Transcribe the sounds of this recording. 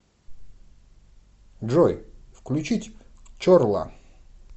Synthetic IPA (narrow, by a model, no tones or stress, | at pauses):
ʐɔjfklʲʉt͡ɕitʲt͡ɕorlˠa̰